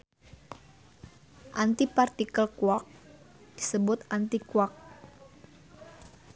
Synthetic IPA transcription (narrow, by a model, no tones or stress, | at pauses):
ʔant̪ipart̪ikəlkuak̚ | d̥isəbʊt̪ʔant̪ikuak̚